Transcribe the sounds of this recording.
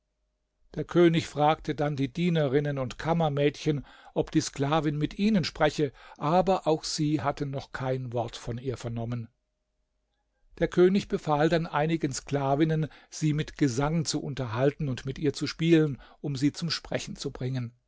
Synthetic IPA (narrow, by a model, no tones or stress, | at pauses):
d̥eːɐkʰøːnɪçfʁ̥aːktʰədandiːdiːnɐʁɪnənʊntkʰamɐmɛːtçənʔɔpd̥iːskl̥aːvɪnmɪtʔiːnənʃpʁ̥ɛçəʔaːbɐʔaʊxz̥iːhatn̩nɔχkʰaɪnvɔɐtfɔniːɐfɛɐnɔmən | d̥eːɐkʰøːnɪçb̥əfaːldanʔaɪnɪɡənskl̥aːvɪnənz̥iːmɪtɡ̥əzaŋnt͡suʔʊ̰ntɐɦaltn̩ʊntmɪtʔiːɐt͡suʃpiːlənʔʊmziːt͡sʊmʃpʁ̥ɛçn̩t͡subʁɪŋən